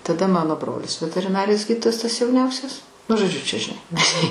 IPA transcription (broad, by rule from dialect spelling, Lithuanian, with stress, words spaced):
tɐˈdɐ ˈmɑːnoː ˈbroːlʲɪs ʋʲɛtʲɛrʲɪˈnɑːrʲɪjoːs ˈɡʲiːdʲɪtoːjɛs tɐs jɛʊˈnʲɛʊsʲɛs nʊ ʒoːˈd͡ʒʲʊ t͡ʃʲɛ ʒʲɪˈnɐɪ